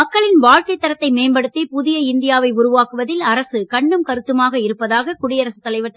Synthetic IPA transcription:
mɐkːɐɭɪnʋaːɻkɐɪt̪ːɐɾɐt̪ːɐɪmeːmbɐɽɯt̪ːepʊðɪjɐɪnd̪ɪjaːʋɐɪʊɾʊʋaːkɯʋɐðɪlɐɾɐsɯkɐɳːɯmkɐɾɯt̪ːɯmaːɣɐɪɾɯpːɐðaːɣɐkʊɽɪjɐɾɐsɯ̥t̪ːɐlɐɪʋɐt̪ːɐ

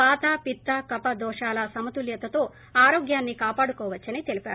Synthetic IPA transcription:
paːt̪aːpit̪ːakɐpɐd̪ɔːʂaːlɐsɐmɐt̪uljɐt̪ːɐt̪o̞ː | aːɾoːɡjaːnːikaːpaːɽukɔːʋɐt͡ʃːɐnit̪e̞lipa̰ːu

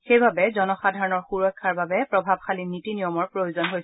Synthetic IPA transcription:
xejbabɛzɔnɔxadʱaɹɔnɔɹxuɹɔkʰːaɹbabɛpɹɔbʱab̚xʰalinitinijɔmɔɹpɹojozɔnɦojsɛ

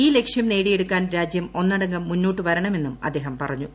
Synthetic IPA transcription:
iːle̞kʂjɐmne̞ːɽijeɽukːaːnɾaːd͡ʑjɐmo̞nːɐɽɐŋɡɐmːunːoːʈːɨʋɐɾɐɳɐme̞nːumɐ̰d̪ːe̞ːɦɐmpɐ̰rɐɲːu

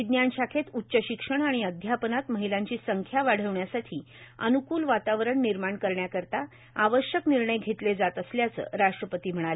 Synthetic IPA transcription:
id̪njanɕakʰet̪utːɕəɕikʂəɳ̃aɽ̃iəd̪ʱjapənat̪məɦilãɲt͡ɕiːsəŋkʰjaʋaɽ̤əʋɳjasaʈʰiː | ə̰nukuːlʋat̪aʋɾəɳːiɾmaɳkəɾɳjakəɾt̪a | aʋəɕjəkniɾɳəjɡʱet̪led͡zat̪əsljat͡sə̰ɾaʂʈɾəpət̪iːm̤əɽ̃ale

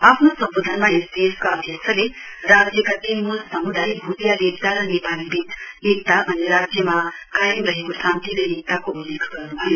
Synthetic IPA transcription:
apʰnosʌmbod̪ʱənmaesd̪eskaʌd̪ʱjʌkt͡sʰʌle | rad͡zjʌkat̪inmulsʌmud̪ʱajbʱut̪jalek̚t̪aɾʌnepalibʱid̪ | ek̚t̪abʱʌneɾad͡zjʌma | kajəmrʌɦekosãnt̪iɾʌek̚t̪akoulːekʰɡʌrnubʱʌjo

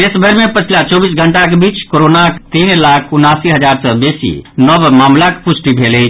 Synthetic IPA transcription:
esbʱəɾmepət͡ʃʰlat͡ʃɔbisɡʱəɳʈakebit͡ʃkoɾonakt̪inlakʰunasiɦəd͡ʒaɾsəbesḭnəbmaːmlakepusʈibʱele

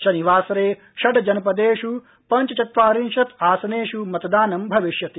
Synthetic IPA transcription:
ʃɐniʋaːsɐɾeː | ʃɐɖɐd͡ʒɐnɐpɐd̪eːʂu | pɐɲt͡ʃɐt͡ʃɐt̪ʋaːɾinʃɐt̪aːsɐneːʂumɐt̪ɐd̪aːnɐmbʱɐʋiʃjɐt̪i

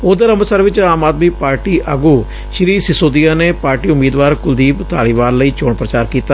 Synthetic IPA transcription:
od̪əɾəməsəɾʋɪt͡ʃaːmaːd̪mipaːɾʈiːʔəɡuː | ʃɾiːsɪsoːd̪ijaːneːpaːɾʈiːʊmːiːd̪ʋaːɾkʊld̪iːpt̪aːɽiːʋaːɾləiːt͡ʃoːɳpɾət͡ʃaːɾkiːt̪aː

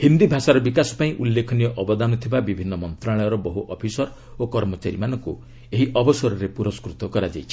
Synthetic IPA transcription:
hind̪ibʱasaɾɔbikasɔ̥paĩʔulːekʰɔnijɔʔɔbɔd̪anɔt̪ʰibabibʱinːɔmɔnt̪ɾaɭɔjɔɾɔbɔɦuʔɔpʰisɔɾ | okɔɾmɔt͡ʃaɾimanɔŋkṵ | eɦiʔɔbɔsɔɾɔɾepuɾɔskɾut̪ɔkɔɾad͡ʒa̰jt͡ʃʰi̥

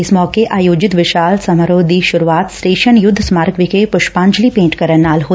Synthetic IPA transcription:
ɪsmɔːkeʔʔaːjoːd͡ʒɪt̪ʋɪʃaːlsɐmaɾoːd̪ʱiʃʊɾuaːt̪sʈeːʃənjʊd̪ʱːsmaːɾkʋɪkepʊʃpãːɲd͡ʒlipẽːɳʈkɐɾənːaːlɦoː

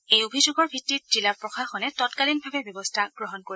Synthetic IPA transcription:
ejobʱizuɡɔɹbʱitːit̚z̥ilaɹpɹɔxʰaxɔnɛtɔtkalinbʱabɛbjɔbɔstʰaɡ̥ɹɔɦɔnkoɹi

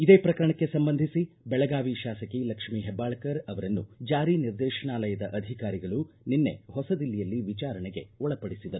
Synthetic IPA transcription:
id̪eːpɾɐkɐɾɐɳɐkːe̞sɐmbɐnd̪ʱisi | bɛɭɐɡaːʋiʃaːsɐkilɐkʂmiɦɛbːaːɭɐkɐɾɐʋɐɾɐnːṵd͡ʒaːɾiːniɾd̪ɛːʃɐɳaːlɐjɐd̪ɐʔɐd̪ʱikaːɾiɡɐɭu | ninːe̞̰hɔsɐd̪ilːijɐlːiʋit͡ʃaːɾɐɳɛɡe̞̰ɔɭɐpɐɽisid̪ɐɾu

